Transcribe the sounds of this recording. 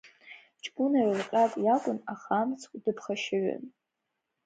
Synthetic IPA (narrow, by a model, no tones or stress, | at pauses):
t͡ʃʼbunarɨlqʲʼakʼjakʷʼʊnaχamt͡sʰkʷʼdɨpʰχaʃɪɥa̰n